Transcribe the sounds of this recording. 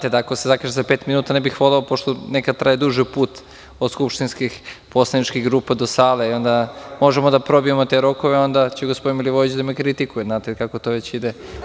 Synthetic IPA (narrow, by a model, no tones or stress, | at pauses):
t̪ed̪aːko̞sezakaʒezapeːt̪minuːt̪anebixʋolˠeopoʃt̪onekad̪̚t̪ɾajed̪uʒipuːt̪ | od̪skupʃt̪inskixpo̞slˠanit͡ʃkiɣɡɾuːpad̪osaːleio̞nd̪amo̞ʒemod̪apɾo̞biemot̪e̞ɾo̞koʋeo̞nd̪at͡ɕeɡospo̞d̪inmilʲiʋoit͡ɕd̪amekɾit̪ikujeznaːt̪ekakot̪oʋet͡ɕid̪e